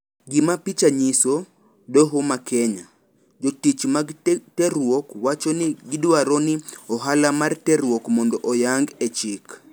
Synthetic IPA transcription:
ɡɪmapit͡ʃaɲiso | dɔɦʊmakʰɛɲa | d͡ʒotit͡ʃmaɡtɛɾwokwat͡ʃonɪɡɪdwaɾɔnɪɔɦalamartɛɾwɔkmɔndɔʔɔjaŋɡɛt͡ʃɪk

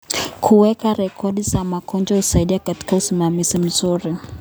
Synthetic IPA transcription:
kʰuwɛkaɾɛkʰɔɗizamakɔnd͡ʒausaiɗiakati̥kausimamizim̩zuɾi

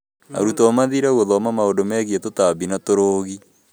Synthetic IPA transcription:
a̰ɾutɔmaðiɾawoðɔmamaodomɛːɣietotaβinatoɾoːɣi

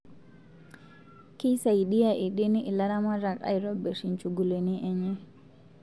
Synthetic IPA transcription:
kisajɗijaʔɛɗeniɛlaɾamaɾaka̰jɾɔbɛsint͡ʃuɡuleniʔɛɲɛ

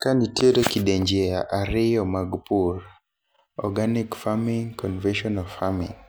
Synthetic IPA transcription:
kanitjeɾokideɲd͡ʒeaʔaɾɪjɔmaɡpur | ɔɡanikfamiŋkɔnvɛnʃɔnɔfamiŋ

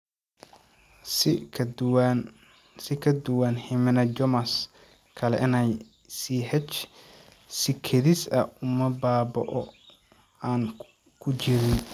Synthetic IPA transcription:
sɪkʰɐd̪ʊwanhɪmɪnɐd͡ʒɔmɐs | kʰɐlɛ̰ʔɪnɛj | siːɦɛt͡ʃ | sɪkʰɐðisɐʊmɐbaːbɔ̰ʔɔ | aːn | kʰʊt͡ʃɪɾɪn

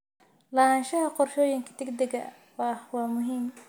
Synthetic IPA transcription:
lahaːnʃɐɦɐqɔrʃɔːjɪŋkʰɐ̥d̪̥ɛɡd̪ɛɡɐ̰ | wɑhwɑːmʊɦiːm

